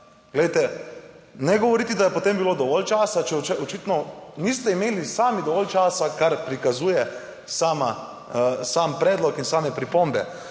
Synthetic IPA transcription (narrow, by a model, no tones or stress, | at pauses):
ɡ̥lɛjt̪ɛ | nɛɡɔʋɔɾiːt̪id̪ajɛpot̪eːmbiloːd̪ɔʋɔlt͡ʃaːsat͡ʃɛɔt͡ʃɛɔt͡ʃit̪nɔniːst̪ɛimeːlisaːmid̪ɔʋɔlt͡ʃaːsakaɾpɾikazuːjɛ | saːma | saːmpɾɛːd̪lɔkinsaːmɛpɾipombɛ